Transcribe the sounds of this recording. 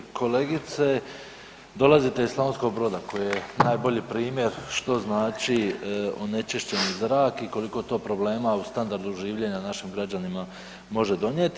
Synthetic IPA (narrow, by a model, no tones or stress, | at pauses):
kʰo̞le̞ɡit̪se̞ | d̪o̞lˠazit̪eislˠaonsko̞ɡ̚bɾo̞d̪ako̞jejenaːjbo̞ʎipɾiːmje̞ɾʃt̪o̞znaːt͡ʃio̞ne̞t͡ʃiʃt͡ɕe̞nizɾaːkiko̞liko̞t̪o̞ːpɾo̞ble̞ːmaust̪and̪aɾd̪uʒiːʋʎe̞ɲanaʃimɡɾad͡ʑanima | mo̞ʒe̞d̪o̞ɲje̞t̪